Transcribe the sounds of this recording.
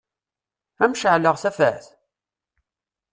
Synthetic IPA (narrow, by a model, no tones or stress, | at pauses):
æmʃəʕləʁθæfæ̰θ